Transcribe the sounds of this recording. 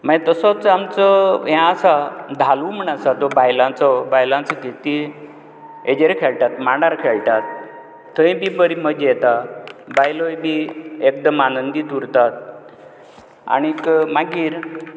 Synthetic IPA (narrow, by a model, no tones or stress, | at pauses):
maɡet̪əsɔt͡samt͡sɔjãːsad̪ʱalum̤əɳ̃asad̪ɔbajlãt͡sɔbajlãt͡sɔɡʱet̪i | ed͡ʑeɾkʰeɭʈat̪mãɳɖaɾkʰɛɭʈat̪̚ʰː | ə̃jĩbibəɾiməd͡ʑɛt̪abajlojbiek̚d̪əmanənd̪id̪uɾt̪at̪̚ | a̰ɽ̃ikmaɡiːɾ